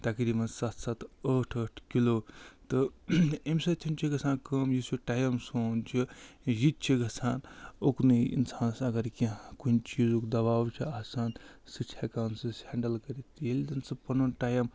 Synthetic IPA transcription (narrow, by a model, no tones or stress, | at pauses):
t̪akiɾimɐnsat̪sat̪əʈʰəʈʰkiloːt̪ɨemʲsɐt͡ʃʰint͡ʃʰiɡɐsaːnkəmjisuʈaːjɐmsoːnt͡ʃʰijit̪̚t͡ʃʰiɡʱɐsʰaːnoknɨḭnsaːnsɐɡɐɾkikunt͡ʃiːzokd̪ɐbaːwt͡ʃʰiaːsaːnsɨt͡ʃʰakaːnsɨshaːɳɖɐlkɐɾitt̪jelid̪ɐnsɐpɐnunʈaːjɐm